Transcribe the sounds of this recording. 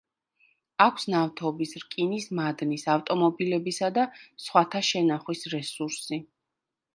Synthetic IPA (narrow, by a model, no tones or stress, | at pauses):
akʷʰsnaft̪ʰɔbisɾkʼinismad̪nisaft̪ʼɔmɔbilɛbisad̪asχwat̪ʰaʃɛnaχwisɾɛsuɾsi